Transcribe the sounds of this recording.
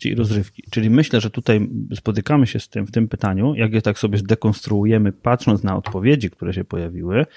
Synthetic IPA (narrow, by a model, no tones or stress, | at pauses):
ḭḭɾɔzɾɘfkʲi̥t͡ʂɘlʲimɘɕlɛʐɛt̪ut̪ajspɔt̪ɘkamɘɕɛst̪ɘmft̪ɘmpɘt̪aɲujʔaɡjɛt̪aksɔbʲjɛzd̪ɛkɔnst̪ɾuujɛmɘpat̪ʂɔnt̪snaɔ̰t̪pɔvʲjed͡ʑik̚t̪uɾɛɕɛpɔjavʲiwɘ